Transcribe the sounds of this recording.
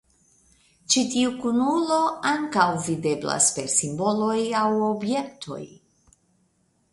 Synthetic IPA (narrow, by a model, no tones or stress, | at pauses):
t͡ʃitiukunulo̞aŋkawvide̞bla̰spe̞ɾsimbo̞lo̞jawo̞bje̞k̚tʰo̞̰j